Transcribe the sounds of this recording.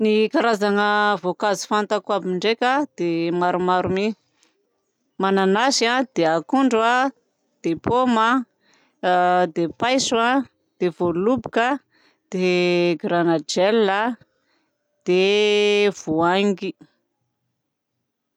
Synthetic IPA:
nikaɾazaŋəvokazi̥fant̪akuabiiɳɖ͡ʐekʲad̪̥emaɾumaɾumi | mananasad̪̥eakuɳɖ͡ʐwa | d̪̥epoma | d̪epajswa | d̪̥evolubi̥ka | d̪̥eɡɾanad͡ʒɛla | d̪̥e | v̥oaŋɡi

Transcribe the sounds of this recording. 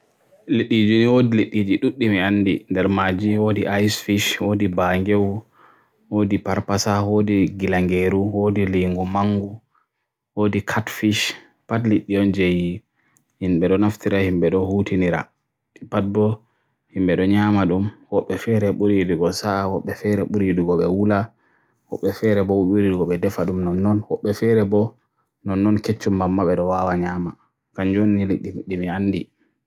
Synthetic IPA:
leɗːid͡ʒuniwodileɗːid͡ʒiɗuɗːimianːdindɛɾmad͡ʒiwodiʔajsfiʃwoːdibaŋɡew | wodipaɾpasawodiɡilaŋɡeɾuwodiliŋɡumaŋɡu | woːdikʰatfiʃ | patliɗːiɔnd͡ʒeji | himɓɛɗɔnaftiɾahimɓɛɗɔhutiniɾa̰ | ipat̚bɔ | himɓɛɗɔɲamaɗumwɔɓːɛfɛɾɛɓuɾiduɡɔsawɔɓːɛfɛɾɛɓuɾiduɡɔɓɛwula | wɔ̰ɓːɛfɛɾɛbɔɓuɾiduɡɔɓɛdɛfaɗumnɔnːɔnwɔɓːɛfɛɾɛbɔ | nɔnːɔnket͡ʃːumbamːaɓɛɗɔwawaɲaːma | kand͡ʒonːiliɗːiɗːimianːdi

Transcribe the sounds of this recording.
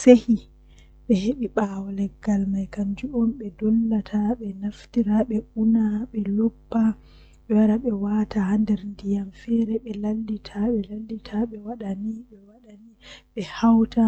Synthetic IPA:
sehi | ɓɛheɓiɓawɔlɛɡːalmajkaɲd͡ʒuɔmɓɛdɔlːatʰaɓɛnaftiɾaɓɛʔunaɓɛlɔpːa | ɓɛwaɾaɓɛwatʰahandɛɾndijamfɛɾɛɓɛlalːitʰaɓɛlalːitʰaɓɛwaɗaniɓɛwaɗaniɓɛhawta

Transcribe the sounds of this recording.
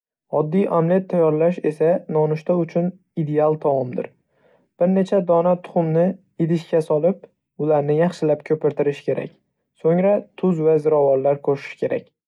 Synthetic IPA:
ɒd̪ːijʔamlet̪ʰːajɒɾlaʃe̞sanɒnʊʃt̪aʊt͡ʃʰʊn | id̪e̞alˠt̪ʰamɒmd̪ɪ̰ɾ | b̥ɪɾne̞t͡ʃʰad̪ɒnat̪ʰʊ̥χʊmnɪ | ɪd̪ɪʃkʲasɒlˠɪp̚ | ʊlaɾnɪjɑχʃɪlapkʲʰɵpɪɾt̪ʰɪɾɪʃkʲʰe̞ɾa̰kʲ | soŋɾat̪ʰʊzvazɪɾɒvɒllaɾkʰoʃɪ̥ʃkʲʰe̞ɾa̰kʲ

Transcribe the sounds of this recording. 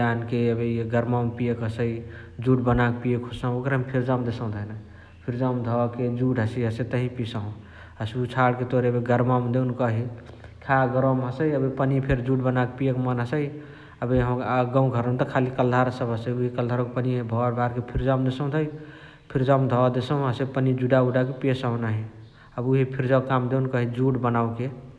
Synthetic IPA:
jankeəbeɡəɾmampijekɦəsəj | d͡ʒuʈbənak̚pijekʰosãokɾɦəmpʰiɾd͡ʒamd̪esə̃w̃d̪ʱəɦna | pʰiɾd͡ʒamd̪ʱɔked͡ʒuʈɦəsəiɦəsət̪əɦipisaũ | əsut͡ʃʰaɽket̪oɾeəbeɡəɾmamd̪enkəɦi | kʰaɡəɾəmɦəsəjəbepənipʰeɾd͡ʒuʈbənakpijekmənɦəsəj | əbeɦə̃mɡãũɡʱəɾə̃nt̪əkʰalikəld̪ʱaɾsəbʱəsəjuɦikəld̪ʱaɾõkepəniɦbʱɔɾbʱaɾkepʰiɾd͡ʒamd̪esə̃w̃t̪ʰəj | pʰiɾd͡ʒamd̪ʱɔd̪esəw̃ɦəsepənid͡ʒuɖauɖak̬epesaũnaɦi | əbuɦipʰiɾd͡ʒawkamd̪eunkəɦid͡ʒuʈbənaw̃ke

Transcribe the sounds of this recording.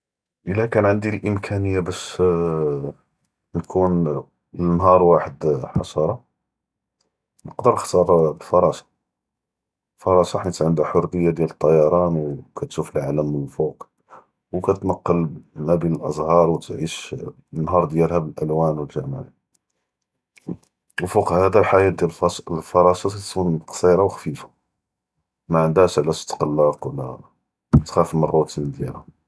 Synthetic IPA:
ʔəlːækænʕənd̪ilʔəmkʰænəjːabæʃ | nkʰun | ənɦɑɾˤwaħəd̪ħɑsɑɾˤɑ | nəqd̪əɾxt̪ɑɾˤlfɑɾˤɑsɑ̥ | fɑɾˤɑsˤɑħnit̪ʕənd̪æħoɾˤːəjːad̪jælət̪ˤːɑjɑɾˤɑnwkæt̪ʃufəlʕaləmːənəlfuq | wkæt̪nɑqːəlmæbinəlʔə̰zˤhɑɾˤwt̪ʕiʃ | nːɦɑɾˤd̪jælhæbəlʔælwænwəlʒæmaʕi | wəlfuqhhæd̪ælħajæd̪jælfɑɾˤɑsˤɑæt̪kunqsˤiɾˤɑwxfifḁ | maʕənd̪æʃʕlæʃt̪ːqɑlːɑqwlːæ̰ | t̪xæfəmərˤːut̪ənd̪jælhæ

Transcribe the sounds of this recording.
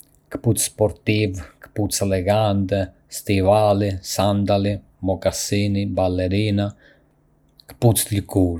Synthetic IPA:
kput͡sspɔɾt̪ivkput͡sɛlɛɡant̪ɛ | st̪ivalisand̪ali | mɔkasinibalɛɾina | kput͡sʎkuɾ

